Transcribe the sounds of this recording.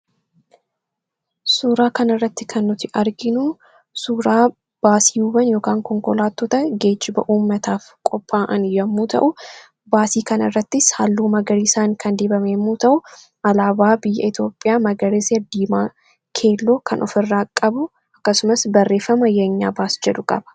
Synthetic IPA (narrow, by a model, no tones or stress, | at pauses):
suːɾaːkɐnɐrːɐt̪ːɪkʰɐnːʊt̪ɪʔɐɾɡɪnʊ | suːɾaː | b̥aːsɪjuːbɐnjoːkaːŋkɔŋkɔlaːt̪ːɔt̪ɐɡe̞ːd͡ʒːɪbɐʔuːmːɐt̪aːf | kʼɔpʼːaːʔɐnjɐmːuːt̪ʰɐ̰ʔʊ | baːsiːkɐnɐrːɐt̪ːɪshalːuːmɐɡɐɾiːsaːŋkʰɐnd̪eːbɐmeːmːuːt̪ɐʔʊ | ɐlaːbaːbɪjːɐ̰ɪt̪jo̞ːpʼːɪjaːmɐɡɐɾesɛd̪iːmaː | kʰe̞ːlːo̞ːkʰɐnʔɔfɪrːaːkʼːɐbʊ | ɐkːɐsʊmɐsbɐrːe̞ːfːɐmɐjɐɲːa̰ːbaːsd͡ʒɛd̪ʊkʼɐbɐ̥